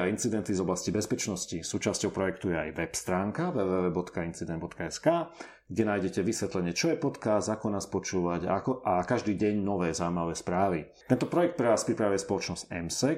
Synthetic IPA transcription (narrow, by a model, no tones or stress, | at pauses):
aint͡sid̪ɛnt̪izɔblascibɛspɛt͡ʃnɔscisuːt͡ʃascɔʊpɾɔjɛk̚t̪ujɛa̰jʋɛpst̪ɾaːŋkaʋɛʋɛːʋɛːbɔt̪kaint͡sid̪ɛnbɔt̪kaɛskaː | ɡɟɛnaːjɟɛcɛʋisʋɛt̪lɛɲɪɛt͡ʃɔjɛpɔt̪kazakɔnaːspɔt͡ʃuːʋaɟa̰kɔʔakaʒd̪iːɟɛɲnɔʋɛːzauimaʋɛːspɾaːʋit̪ɛnt̪ɔpɾɔjɛk̚t̪̚pɾɛʋaːspɾipɾaʋuɛspɔlɔt͡ʃnɔz̥ɛ̰msɛ